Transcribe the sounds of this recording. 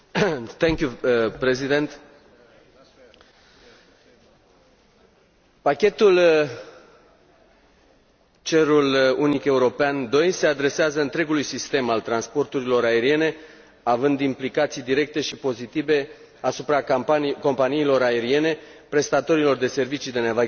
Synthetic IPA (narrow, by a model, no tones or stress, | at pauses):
t̪ɛŋkʲjupɾezid̪ent̪ | pakʲe̞t̪ul | t͡ʃe̞ɾulunike̞uɾo̞peand̪o̞jse̞ad̪ɾe̞seazəɨnt̪ɾe̞ɡulujsist̪e̞malt̪ɾanspo̞rt̪uɾilo̞ɾae̞ɾie̞ne̞ | avɨnd̪implikat̪sijd̪iɾe̞k̚t̪e̞ʃipo̞zit̪ive̞ | asupɾako̞mpanijilo̞ɾae̞ɾie̞ne̞pɾe̞st̪at̪o̞ɾilo̞rd̪e̞se̞rvit͡ʃid̪e̞neva